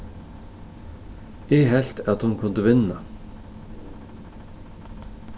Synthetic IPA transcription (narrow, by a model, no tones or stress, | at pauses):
eːɦɛlt̪ʰɑt̪hʊnkʰʉnd̪əʋɪnə